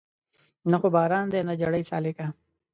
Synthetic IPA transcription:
naxobaːɾaːnd̪enad͡ʒɐɽəjsa̰ːlekaː

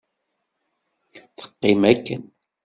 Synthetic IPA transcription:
θə̥qːɪmækːə̰n

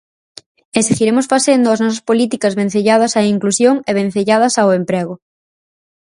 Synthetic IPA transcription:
esiɣiɾemosfaθend̪ʊɐznɔs̬ɐspolit̪ikɐzβẽn̟θeʎað̞ɐsaiŋklusjoŋeβ̞ẽn̟θeʎað̞ɐsaʊempɾeɣʊ

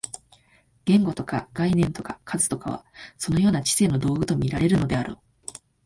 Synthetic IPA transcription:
ɡ̥ẽ̞ŋɡo̞t̪o̞kaɡ̥ainẽ̞nt̪o̞kakʰazɨ̥t̪o̞kaβ̞a̰so̞no̞jo̞ːnat͡ɕi̥se̞ːno̞d̪o̞ːɡɯ̟t̪o̞mʲiɾaɾe̞ɾɯ̟no̞d̪e̞aɾo̰ː

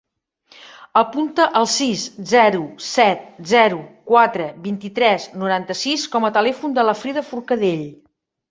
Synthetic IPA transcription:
əpunt̪əʔəlˠsiszɛɾusɛt̪̚zɛɾukwat̪ɾəβint̪it̪ɾɛznuɾant̪əsiskɔmət̪əlɛfund̪ələfɾiðəfuɾkəðeʎ

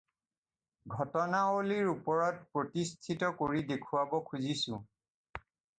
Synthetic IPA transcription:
ɡʱɔtɔnaoliɹupɔɹɔtpɹotistʰitɔkoɹidekʰuwabɔkʰuzisʊ̰̃

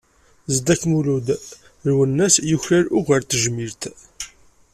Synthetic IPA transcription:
zd̪ækːmulud̪ | ɾwənːæsjʊçɾaɾʊʁəɾt̪əʒmiɾt̪

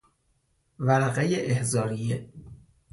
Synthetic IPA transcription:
væɾæɣejeʔehzɒːɾije

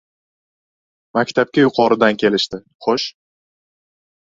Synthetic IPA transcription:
makʲt̪ʰap̚kʲajʊqʰɒɾɪd̪ankʲʰe̞lɪʃt̪ɪ | χoʃ

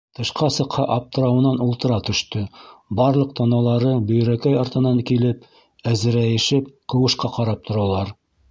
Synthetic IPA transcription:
t̪ɤ̆ʃqɑsɤ̆qhɑʔɑp̚t̪ɤ̆ɾɑwɤ̆nɑnulˠt̪ɤ̆ɾɑt̪ɵ̆ʃt̪ɵbɑɾlˠɤq̚t̪ʰɑnɑlˠɑɾɤbɵ̆j̆ɾækæjɑɾt̪ɤ̆nɑŋkilɘp | æzɘ̆ɾæjɘ̆ʃɘp̚qɤ̆wɤ̆ʃqɑqɑɾɑp̚t̪ʰŏɾɑlˠɑɾ

